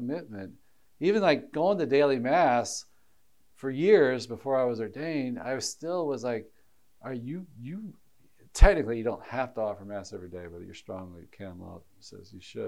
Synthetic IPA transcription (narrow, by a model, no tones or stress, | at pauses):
mɪt̚mɨ̰̃nt̚ | ivɨ̃nlaɪk̚ɡ̥oʊɪ̃ŋtɨdeɪlˠimæs | fə˞jɪɹzbəfɔɹaɪwʌzɔ˞dẽɪ̃nda̰ɪwʌz̥stɪlˠwʌzlaɪk | ʔə˞jɨjɨ | tʰɛk̚nɨklijɨdõʊ̃nt̚hæftəɔfə˞mæsɛvɹideɪbʌt͡ʃə̰˞stɹ̥ɔ̃ŋlḭkʰæ̃nlʌ̰p̚ | sɛ̰zjɨʃɨ̰d̚